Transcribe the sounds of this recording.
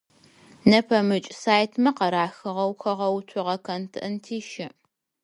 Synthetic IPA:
nɐpʰɐmɨt͡ʃʼsaːjtʰmɐqɐɾaːxɨʁɐwxʷɐʁɐwtʷʰʊʁɐkʰɐntʰɨʔɨntʰiːʃɪʔ

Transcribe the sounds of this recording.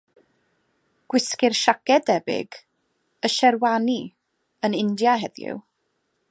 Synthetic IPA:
ɡ̥wɪskɪrʃakɛdɛbɪ̰ɡ | əʃɛrwani | ənɪndjaɦɛðjɪ̰w

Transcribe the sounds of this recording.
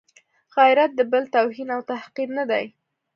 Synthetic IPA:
ɣajɪɾat̪̚d̪əbəlt̪awɦinawt̪ahqiɾnad̪aj

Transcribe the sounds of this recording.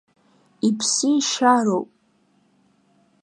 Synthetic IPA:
ipʰsiʃaɾowpʼ

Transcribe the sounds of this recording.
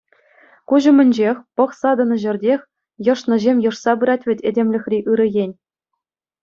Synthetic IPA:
kuʑɤ̆mʲɘ̆nʲd͡ʑexʲpɤ̆χsɑd̪ɤ̆nɤ̆ʑɘ̆rʲdʲexʲ | jɤ̆ʂnɤ̆ʑemʲjɤ̆ʂsɑbɯɾɑt̚ʲʋʲɘ̆tʲedʲemʲlʲɘ̆xʲrʲiʔɯɾɤ̆jenʲ

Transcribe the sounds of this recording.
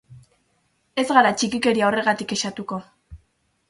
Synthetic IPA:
e̞zɣaɾat͡ʃikike̞ɾiao̞re̞ɣat̪ike̞ʃat̪uko̞

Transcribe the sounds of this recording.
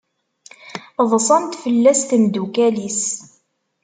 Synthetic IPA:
ðˤsˤɑnt̪fəlːæst̪əmd̪ukælis

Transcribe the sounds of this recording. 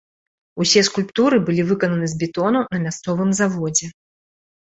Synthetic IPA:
usʲɛskulʲpt̪uɾɨbɨlʲivɨkɐnɐnɨzʲbʲɛt̪ɔnunɐmʲast̪sɔvɨmzavɔd͡zʲɛ

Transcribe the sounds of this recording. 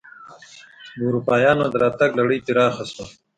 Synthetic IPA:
buɾupɑːjɑːnad̪əɾɑːt̪aɡlaɽəjt̪iɾɑːxasma

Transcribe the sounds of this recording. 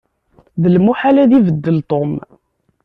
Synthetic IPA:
ðəlmuħalæðivəd̪ːəlt̪ˤom

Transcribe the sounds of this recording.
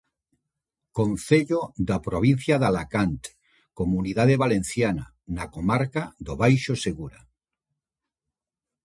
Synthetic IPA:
konθeʎoðapɾoβ̞in̟θjaðalakant̪ | komuniðaðeβalenθjana̰ | nakomaɾkaðoβajʃoseɣuɾa

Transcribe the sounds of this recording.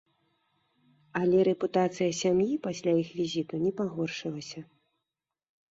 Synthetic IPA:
alʲɛɾɛput̪at̪sɨjɐsʲamjipasʲlʲajixvʲizʲit̪unʲɛpaɣɔrʂɨlˠɐsʲɐ

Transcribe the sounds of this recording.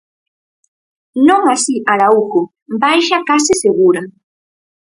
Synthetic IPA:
nomasiʔaɾaʊko | bajʃakas̬ɪseɢʊɾa

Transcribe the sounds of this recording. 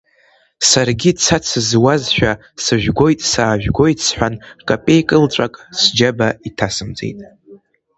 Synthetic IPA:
sarɡʲit͡sʰat͡sʰɨzwazʃᶣa | sɨʒᶣʷɡʷo̞jtʼsaːʒᶣɡʷo̞jtʼsħʷᶣankʼapʼe̞jkʼɨlʈ͡ʂʷʼakʼsd͡ʒabaitʰasɨmd͡zḛjtʼ

